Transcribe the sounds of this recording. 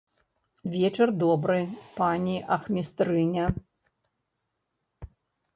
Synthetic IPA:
vʲɛt͡ʂɐrd̪ɔbɾɨpanʲiʔɐxmʲist̪ɾɨnʲɐ

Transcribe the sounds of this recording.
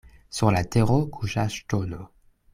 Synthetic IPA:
syʁlat̪eʁokʰuʃaʃtono

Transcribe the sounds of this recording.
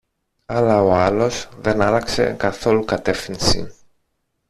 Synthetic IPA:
ɐlɐo̞ɐlo̞sðe̞nɐlɐkse̞̰kɐθo̞lukɐt̪e̞fθinsḭ

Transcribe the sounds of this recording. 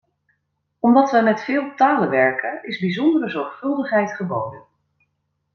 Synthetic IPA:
ɔmdɑtʋəjmɛtfɪːlˠtaːləʋɛɹkənɪzbizɔndərəzɔɹχfɵlˠdəχɦɛjtχəbowdən

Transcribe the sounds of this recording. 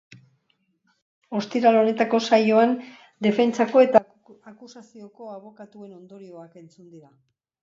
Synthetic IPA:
o̞st̪iɾalo̞ne̞t̪ako̞sajo̞an | d̪e̞fe̞nt͡sako̞e̞t̪a | akusasio̞ko̞aβ̞o̞kat̪ue̞no̞nd̪o̞ɾio̞ake̞nt͡sund̪iɾa

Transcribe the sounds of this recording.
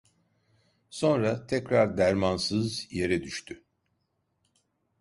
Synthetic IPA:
so̞nɾat̪ʰɛcɾaɾd̪æɾmansɯzje̞ɾɛd̪yʃt̪ʰy

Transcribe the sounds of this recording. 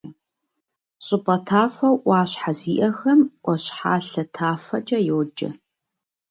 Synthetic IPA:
ɕʼɪpʼɐtʰaːfɐwʔʷɑːɕħaziːʔɐxɐmʔʷɔɕħa̰ːɬɐtʰaːfɐd͡ʒʼɐjoːd͡ʒɐ̰

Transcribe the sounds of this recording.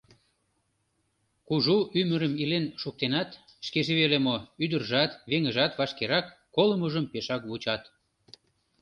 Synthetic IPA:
kuʒuʔyməɾəmilenʃuk̚t̪enɑt̪ | ʃkeʒeβelemoyd̪ərʒɑt̪βeŋəʒɑt̪βɑʃkeɾɑkːoləməʒəmpeʃɑkβut͡ɕɑt̪

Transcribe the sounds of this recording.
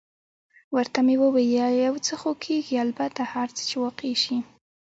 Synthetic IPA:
wəɾt̪amewəwejajawt͡səxokʰeɡialbat̪ahaɾt͡sə̥t͡ʃewɑqeʃi

